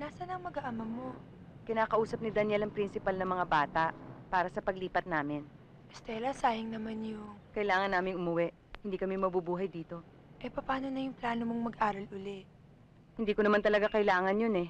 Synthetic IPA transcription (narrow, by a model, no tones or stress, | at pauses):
naːsɐnɐŋmɐɡaʔɐmɐmo̞ | kɪnaːkɐʔuːsɐp̚nɪd̪ɐnjɛlɐŋpɾinsɪpalnɐmɐŋabaːt̪ɐʔpaːɾɐsɐpɐɡliːpɐt̪̚naːmɪn | ʔɛst̪ɛːlɐsaːjɪŋnɐmanjʊŋkɐʔɪlaːŋɐnːaːmɪŋʔʊmʊwɛʔ | hɪnd̪iːkɐmɛmɐbubuːɦɐjd̪iːt̪o̞ | ʔɐjpɐpaːno̞nɐjʊŋplaːno̞moŋmɐɡʔaːɾɐlʔʊlɛʔ | hɪnd̪iːkonɐmant̪ɐlɐɡakɐɪlaːŋɐnjonɛ